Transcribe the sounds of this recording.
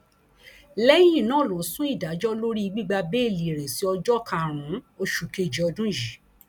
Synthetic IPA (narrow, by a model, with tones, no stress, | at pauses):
lɛ˦jĩ˦˨nã˦˨lo˨˦˨sũ˦i˦˨da˨˦d͡ʒɔ˦lo˦ɾi˦i˧ɡ͡bi˦ɡ͡ba˧be˦˨li˨ɾe˨si˨˦ɔ˧d͡ʒɔ˦kʰã˧˨ɾ̃ũ˨˦o˧ʃu˨ke˦˨d͡ʒi˨ɔ˧dũ˦ʒi˨˦